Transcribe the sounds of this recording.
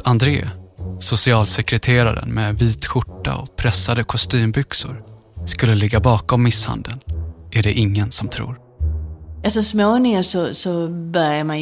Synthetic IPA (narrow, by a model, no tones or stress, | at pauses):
and̪ɾḛːsʊsɪɑːlsɛkɾɛt̪ʰeːɾaɾə̰nmɛviːt̪ɧʊʈːa̰ɔ̰pʰɾɛsːad̪əkʰɔst̪yːmbʏksʊ̰ɾ | skɵlːəlɪɡːabɑːkɔmːɪsha̰nd̪ənʔæɖɛʔɪŋːənsɔmt̪ʰɾṵːɾ | asɔsmoːnɪŋəsɔsɔbœɾjama